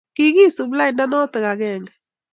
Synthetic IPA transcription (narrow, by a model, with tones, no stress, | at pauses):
kɪ˦ɣi˦˨su˨bla˦ɪ˨nda˦nɔ˦t̪ɪ˨ɣa˨ɣɛ˨ŋɡɛ˨